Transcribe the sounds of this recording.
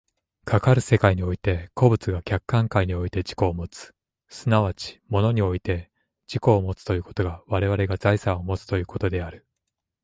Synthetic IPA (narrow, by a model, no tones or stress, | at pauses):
kʰakaɾɯ̟se̞kaiɲ̟io̞it̪e̞kʰo̞bɯ̟t͡sɨɡakʲakːãŋkaiɲ̟io̞it̪e̞d͡ʑi̥ko̞ːmo̞t͡sɨ̥ | sɨnaβ̞at͡ɕi̥mo̞no̞ɲ̟io̞it̪e̞ | d͡ʑiko̞ːmo̞t͡sɨ̥t̪o̞jɯ̟ːko̞̥t̪o̞ɡaβaɾe̞β̞aɾe̞ɡazaisãɰ̃o̞mo̞t͡sɨ̥t̪o̞jɯ̟ːko̞t̪o̞d̪e̞aɾɯ̟